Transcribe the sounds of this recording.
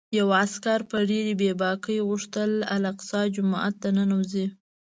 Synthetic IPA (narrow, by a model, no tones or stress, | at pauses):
jawaskaɾpəɖeɾibebɑkəjɣuʂt̪əla̰laqsɑd͡ʒʊmɑʔa̰t̪̚d̪ananawzi